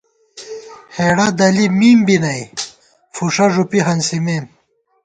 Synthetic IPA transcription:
heɽɐd̪ɐlimiːmbinɐj | fuʂɐʐupiɦɐnsimeːn

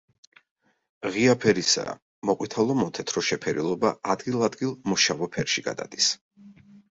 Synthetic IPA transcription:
ʁiapʰɛɾisa̰ | mɔqʼwit̪ʰalˠɔmɔt̪ʰɛt̪ʰɾɔʃɛpʰɛɾḭlˠɔbaʔad̪ɡilˠad̪ɡilˠmɔʃavɔpʰɛɾʃiɡa̰d̪a̰d̪̥is

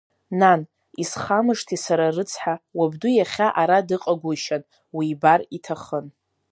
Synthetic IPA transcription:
nan | isχamɨʂtʰisaɾarɨt͡sʰħawabdujaχʲaʔaɾadɨqʼaɡʷʊʃan | wiːbaritʰaχən

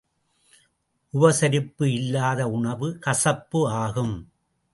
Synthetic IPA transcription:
ʔʊʋɐsɐɾɪpːɯɪlːaːðɐʊɳɐʋɯkɐsɐpːɯaːɣɯm

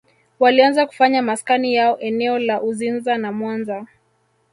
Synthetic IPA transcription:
walianzaku̥faɲamaskanijaɔʔɛnɛɔlaʔuzinzanamwanza

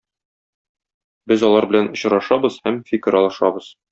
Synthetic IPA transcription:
bɘzɒlˠɑɾbɘ̆lænŏɕɾɑʃɑbɤzhæmfʲikʲɘ̆ɾɒlˠɤ̆ʃɑ̰bɤz̥

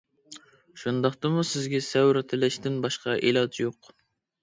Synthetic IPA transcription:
ʃund̪ɑχt̪ɨmusɪzɡʲɛsɛwɾɪt̪ʰɪlɪʃt̪ɪnbɑʃqɑʔḛlˠɑd͡ʒ̪joq

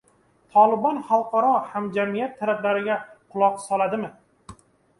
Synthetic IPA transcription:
t̪ʰɒlˠɪbɒnχalˠqʰɑɾɒhamd͡ʒamijat̪ʰːaɾablaɾɪɡʲaqʰʊlˠɒqsɒlˠad̪ɪmɪ

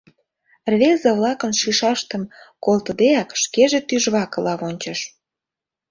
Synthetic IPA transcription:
rβezəβlɑkənʃiʃɑʃt̪ə̆mkolt̪ə̆d̪eɑkʃkeʒet̪yʒβɑkə̆lɑβonʲt͡ɕəʃ

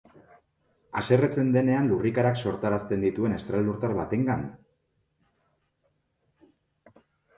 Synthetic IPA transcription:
ase̞ret͡se̞nd̪e̞ne̞anlurikaɾakso̞ɾt̪aɾast̪e̞nd̪it̪ue̞ne̞st̪ɾald̪uɾt̪aɾβat̪e̞ŋɡan

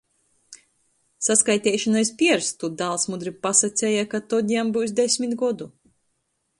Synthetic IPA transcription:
saskajt̪ʲɛːʃanaispʲiɛɾst̪ud̪alˠsmud̪ɾipasat̪sʲɛjakat̪ɔd̪ʲambuːws̬d̪esʲmit̪ɡɔd̪u

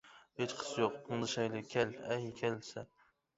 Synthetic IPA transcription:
het͡ʃqʰɨ̥sjoqɨŋd̪ɨʃajlɪkʲʰalajkʲʰalsa

